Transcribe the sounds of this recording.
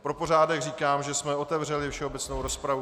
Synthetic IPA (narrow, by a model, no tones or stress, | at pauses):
pɾo̞po̞raːdɛɣriːkaːmʒɛsmɛo̞t̪ɛvrɛlɪfʃɛo̞bɛt͡snowɾo̞spɾavu